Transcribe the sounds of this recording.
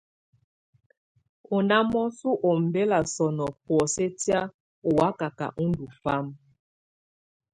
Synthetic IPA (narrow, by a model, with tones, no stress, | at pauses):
ɔ˨na˦mɔ˦su˦ʔo˨m̩˨be˦la˨sɔ˨nɔ˨pɔ˨se˦tja˦ | ɔ˨wa˦ka˨ka̰˨ʔu˦n˦du˨fa˦m